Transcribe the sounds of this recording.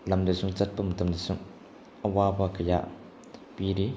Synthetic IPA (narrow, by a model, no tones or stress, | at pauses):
lɐmdəsuŋt͡sɐt̚pɐmtɐmdəsuŋ | ʔəwabakəja̰ʔ | piɾi